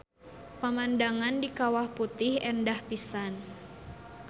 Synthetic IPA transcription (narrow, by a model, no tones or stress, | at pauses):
pamandaŋandikawahput̪ɪhɛndahpisan